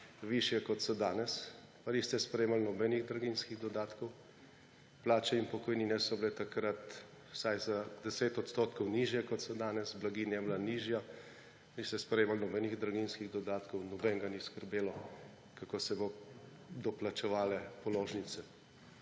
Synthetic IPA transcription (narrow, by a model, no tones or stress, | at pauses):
ʋiʃjɛkɔt̪sɔd̪aːnɛs | panist̪ɛspɾɛjeːmalnɔbɛniɣd̪ɾaɡinskiɣd̪ɔd̪aːt̪kɔw | plaːt͡ʃɛimpɔkɔjninɛsɔblɛt̪akɾat̪ | wsajzad̪ɛseːt̪ɔt̪st̪oːt̪kɔwniːʒjɛkɔt̪sɔd̪aːnɛsblaɡiːnjɛblaniʒja | nist̪ɛspɾɛjeːmalnɔbɛniɣd̪ɾaɡinskiɣd̪ɔd̪aːt̪kɔwnɔbɛŋɡaniskəɾbeːlɔ | kakoːsɛbo | d̪ɔplat͡ʃɛʋaːlɛpɔloːʒnit̪sɛ